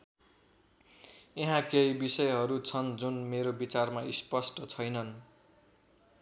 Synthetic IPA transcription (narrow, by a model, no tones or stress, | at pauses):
eɦãkejbisʌjɦʌɾut͡sʰʌnd͡zunmeɾobit͡sarmaispʌsʈʌt͡sʰʌjnʌn